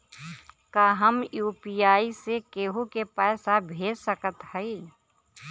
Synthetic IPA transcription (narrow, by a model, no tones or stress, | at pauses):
kaːɦəmjuːpijaːisekeːɦukepɛːsabʱeːd͡ʒsəkət̪həi